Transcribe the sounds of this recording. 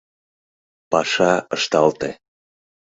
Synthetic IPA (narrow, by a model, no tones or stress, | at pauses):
pɑʃɑəʃt̪ɑlt̪e